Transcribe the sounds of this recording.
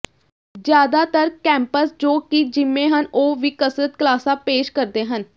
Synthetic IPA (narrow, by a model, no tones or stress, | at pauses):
d͡ʒjaːd̪aːt̪əɾkɛ̃ːmpəsd͡ʒoːkɪd͡ʒɪmːẽːɦənoːʋiːkəsɾət̪̚kəlaːsãːpeːʃkəɾd̪eːɦən